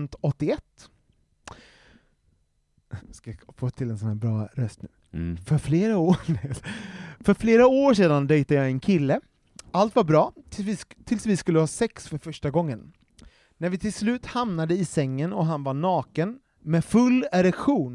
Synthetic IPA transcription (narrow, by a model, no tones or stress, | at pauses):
nt̪ɔt̪ːɪɛt̪ː | skaafoːt̪ʰɪlːɛnsɔnhæːɾbɾɑːɾœst̪̚nʉ̟ː | fœɾfleːɾaoː | fœɾfleːɾaoːɾʂeːd̪and̪ɛjt̪ajɑːɛnkʰɪlːə | alt̪vaɾbɾɑːɪt̪ʰɪlsvɪskɵlːəhɑːsɛksfœɾfœʂʈaɡɔŋːən | næɾvɪt̪ʰɪlslʉ̟ːt̪hamnad̪əɪsɛŋːənɔɦanvaɳɑːkən | mɛfɵlːaɾɛkɧuːn